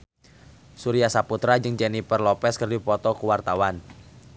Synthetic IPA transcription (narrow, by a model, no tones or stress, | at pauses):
suɾiasaput̪ɾad͡ʒɨŋd͡ʒɛnipərlɔpɛskərdipɔt̪ɔkuwart̪awan